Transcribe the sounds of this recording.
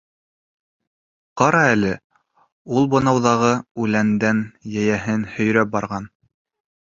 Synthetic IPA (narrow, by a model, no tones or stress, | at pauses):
qɑɾɑælɘ | ulˠbŏnɑwðɑʁɤʉlænd̪ænjæjæɦɘnhɵ̆jɾæp̚bɑɾʁɑn